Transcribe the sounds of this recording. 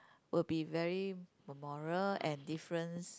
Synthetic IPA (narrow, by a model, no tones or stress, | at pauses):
wilbivɛɹiməmɔɹəlɛ̃ndifɹə̃ns